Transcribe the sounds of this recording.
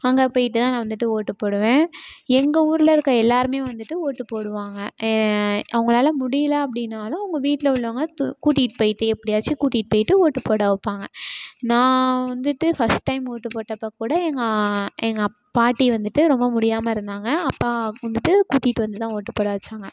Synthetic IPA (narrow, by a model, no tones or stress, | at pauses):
ɐŋɡɐpoːjɪʈːɯt̪ãːnãːʋɐnd̪ɯʈːɯoːʈːɯpoːɽɯʋẽːɛŋɡɐuːɾɯlɐɪɾɯkːɐɛlːaːɾɯmeːʋɐnd̪ɯʈːɯoːʈːɯpoːɽɯʋaːŋɡɐ | ʔɐʋɯŋɡɐɭaːlɐmʊɽɪjɐlɐɐpːɐɽɪnːaːlɐ̃ʊŋɡɐʋiːʈːɪlɐʊɭːʋaːŋɡɐkuːʈːiːʈpoːjɪʈːɯɛpːɐɽɪjaːt͡ʃːɯkuːʈːiːʈ̚poːjɪʈːɯoːʈːɯpoːɽaʋɐpːaːŋɡɐnãːʋɐnd̪ɯʈːɯfɐsʈːɐɪmoːʈːɯpoːʈːɐpːɐkuːɽɐɛŋɡɐɛŋɡɐ | paːʈːiʋɐnd̪ɯʈːɯɾɔmbɐmʊɽɪjaːmɐɪɾɯnd̪aːŋɡɐɐpːaːɐnd̪ɯʈːɯkuːʈːiːʈːɯʋɐnd̪ɯt̪ãːoːʈːɯpːoːɽaːʋt͡ʃːaːŋɡɐ